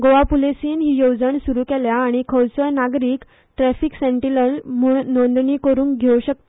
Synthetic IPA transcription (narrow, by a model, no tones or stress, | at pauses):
ɡoʋapulesiːnɦiːjowd͡zəɳsuɾuːkeljaːɽ̃ikʰəwsɔjnaɡɾiːk | ʈɾæfiːksẽɳʈiləɳmuɳnɔ̃nd̪ɳiːkəɾuːnkɡʱeuɕək̚t̪